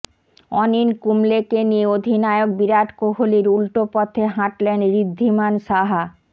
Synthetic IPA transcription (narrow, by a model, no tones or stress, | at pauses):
ɔninkumlekenieod̪ʱinaeok̚biɾaʈkoɦoliɾulʈopɔt̪ʰːeɦãʈlenɾid̪ʱːimanʃaɦa